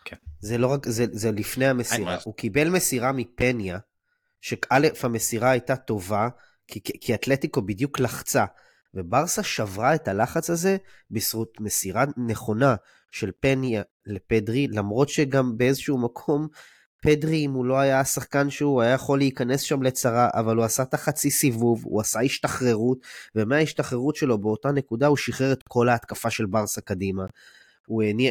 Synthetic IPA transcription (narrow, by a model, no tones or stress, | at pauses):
zelo̞ʁakzezelifnejamesiʁaukibe̞lmesiʁamipe̞nja | ʃekalefhamesiʁaːjtato̞va | kikʰiat̪letiko̞bidjuklaχt͡sa | ve̞baʁsaʃavʁae̞talaχat͡shaze̞ | bisʁut̪mesiʁane̞χo̞na | ʃe̞lpe̞nja | le̞pedʁilamʁo̞tʃe̞ɡambeezoʃuumakʰo̞m | pedʁiːmulo̞ajasaχkanʃeuajajaχo̞leikane̞sʃamle̞t͡saʁaʔa̰valuasat̪aχat͡sisivuvṵasaiʃtaχʁe̞ʁutve̞meaiʃtaχʁe̞ʁutʃelo̞beo̞tane̞kudauʃiχeʁet̪kʰo̞laːt̪kafaʃe̞lbaʁsakadima | ueni